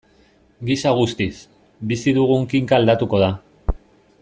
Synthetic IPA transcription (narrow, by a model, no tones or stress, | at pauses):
ɡisaɣ̞ust̪is | bisiðuɣuŋkiŋkaːld̪at̪uko̞ð̞a